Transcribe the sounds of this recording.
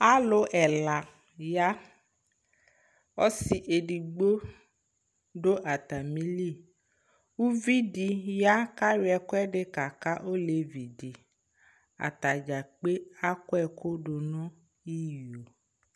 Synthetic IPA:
a˦lo˨ʔɛ˨la˨ | ja˦ | ɔ˦si˨ʔe˨ɖi˨ɡ͡bo˦ | ɖo˦ʔa˨t̪a˨mĩ˦li˦˨ | wu˦vi˦ɖi˨ja˦ka˦wɛ˨kɔ˦ɛ˦ɖe˦ka˨ka˦ʔo˦le˨vi˨di˨ | a̰˨t̪a˨d͡ʒa˨k͡pe˦a˦kɔ˦ɛ˨ko˦ɖo˨nɔ̃˦ | i˦jo˨

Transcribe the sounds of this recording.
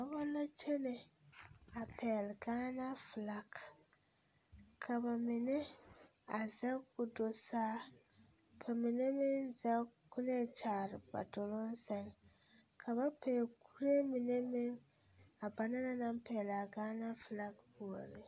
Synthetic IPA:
a˨bɔ˦la˦t͡ʃɛ˦ne˨ | a˨pʰɛː˨lɡaː˦na˦fla˦ɡ | kʰa˨ba˨mɪ˨nɛ˦ | a˨za˦ku˨do˨saː˦ | pʰa˨mi˨ne˦mɪ˦nza˦ku˦le˦˨t͡ʃaː˨ɾɪ˨ba̰˨do˨lo˦n˦sɛ˨ŋ | kʰa˨ba˦pʰɛː˨ku˦ɾe˦mi˨ne˦mɪ˦n | a˨ba˨na˦na˦na˦mpɛː˨la˨ɡaː˦na˦fla˦ɡbu˨o˨ɾi˨

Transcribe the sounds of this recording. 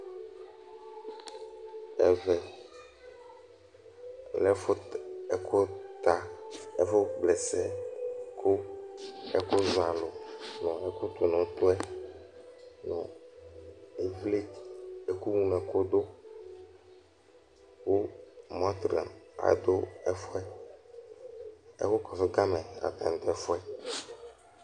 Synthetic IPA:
ɛ̰˦vɛ˨ | lɛ˦fo˦ɛ˦kʰɔ˦t̪a˨e˦fɔ˦blɛ˨sɛ˦kʰo˦ | ɛ˦ko˦zo˨a˨lo˨nɔ̃˨e˦ko˦t̪o˨nɔ̃˨t̪ɔ˦ɛ˦ | nɔ̃˨ | e˦vle˦e˨ku˦ŋũ˦nɛ̃˨ko˦d̪o˦ | wo˦mɔ̃˦t̪ɾa̰˨na̰˨d̪o˦ɛ˦fɔ˦ɛ˦ | ḛ˦xo˦kɔ˨fe˦ɡa˦mɛ̃˨a̰˨t̪a̰˨n˨t̪ɛ˨fɔ˦ɛ˦

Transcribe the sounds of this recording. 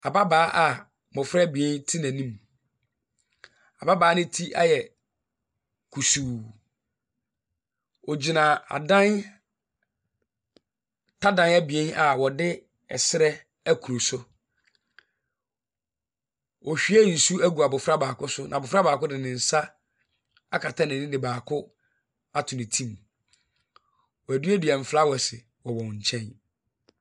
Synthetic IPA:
a˨ba˦baː˨˦ʔa˨ | bʊ˨fɾɛ˦bi˨e˦ntʰi˦næ̃˨nĩ˦m | a˨ba˦baː˨˦nɪ̃˦tʰi˦ʔa̰˦jɛ˨ | kʰu˨su˨ | ɔ˨d͡ʑi˨nã˨a̰˨dã˦n | tʰa˦dã˨n˦æ˦bi˨e˦nʔa˨wɔ˨dɪ˦ | ɛ̰˨sɪ˦ɾɛ˦ | æ˦kʰu˨ɾo˨sʊ˦ | ɔ˨ɕᶣi˦æ˦n̩˨su˦æ˦ɡu˨a˨bʊ˨fɾa˦baː˨kʰʊ˦sʊ˦nã˨bʊ˨fɾa˦baː˨kʊ˦dɪ˨nɪ̃˨n̩˨sa˦ | a˦kʰa˨tʰã˦nɪ̃˨nɪ̃˦dɪ˨baː˨kʰʊ˦ | a˦tʰʊ̃˨nɪ̃˨tʰĩ˦˨m | wɔ˨æ˨dɥæ˦dɥɛ˨m̩˨fla˦wɔ˨sɪ˨ | wɔ˨wɔ̃˨ɲ̩˨t͡ɕʰɛ̃˦n

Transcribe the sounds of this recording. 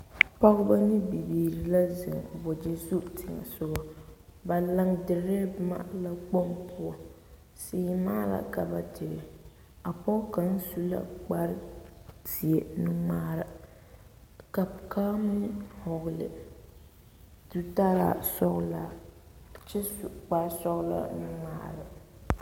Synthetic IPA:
pa˦ɣba˦nɪ˦bi˨biː˨ɾi˨la˦zɪ˨ŋ˨bɔ˨d͡ʒɛ˦zu˦tʰɪ˨ŋa̰˨sʊ˦ɡɔ˦ba˨la˦ŋdɪ˨ɾɛ˦bma̰˦la˦ɡ͡bo˦mpʰʊ˦a˨ | seː˦˨˦maː˦la̰˨ka˨ba˨dɪ˨ɾɪ˨ | a˨pɔ˦ka˨n̩˦su˦la̰˦k͡pa˦ɾti˨e˦nɨ˦ŋ͡maː˦ɾɨ˨ | ka˨kaː˦mʊ˦hɔ˨ɣlɪ̰˨ | du˦ta˦ɾa̰˨sɔ˦ɣla˨ | t͡ʃɛ˦su˨k͡pa˦sɔ˦ɣla̰˦˨nɨ˦ŋ͡ma̰ː˦ɾɨ˨

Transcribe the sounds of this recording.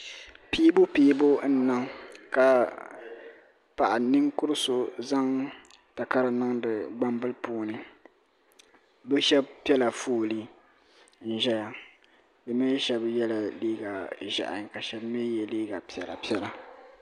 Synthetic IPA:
piː˦bʊ˦piː˦bo˦n̩˦na˦ŋka˨ | pa˨ʔa˨nɨ˦ŋkʊ˦ɾɨ˦so˨za˦ŋ | ta˨ka˦ɾɨ˨na˦ŋdɨ˨ɡ͡ba˦mbɨ˦lpuː˦nɨ˨ | bɨ˦ʃɛ˦b̚pi˦ɛ˦la˨fuː˦˨li˦ | n̩˦ʒɛ˦ja˨ | bɨ˨me˦ʃɛ˦bjɛ˦la˨liː˦ɡa˨ʒa̰˨ʔa̰˨ka˨ʃɛ˦bme˦jɛ˦liː˦ɡa˨pi˨ɛ˨la̰˨pi˦ɛ˦la˨

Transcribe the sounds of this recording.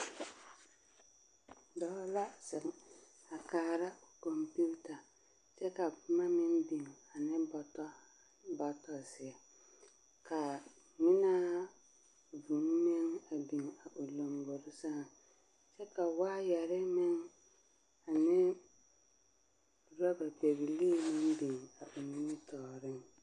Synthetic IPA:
dɔ˦la˦sɪ˨ŋ˨ | a˨kaː˦ɾa˦˨kɔ˨mpu˦ta˨ | t͡ʃɛ˦ka˨pʊ˦ma˦mɪ˦nbi˨ŋa˨nɪ˦bɔ˨tɔ˦ | ba˦tɔ˨sɪ˨ɛ˨ | ka˨ | mɪ˦na˦ | vu˨n˦me˦ŋa˨bi˨ŋa˨ʔʊ˨lo˨mbo˨ɾɪ˦sa˦˨ | t͡ʃɛ˦ka˨waː˦jɛ˨ɾɪ˦mɪ˦ŋ | a˨nɪ˦ | ɾɔ˦ba˨be˨ɣi˨leː˦˨mɪ˦mbi˨ŋa˨ʔʊ˨mɪ˦nɪ˦tɔː˨ɾɪ˦ŋ

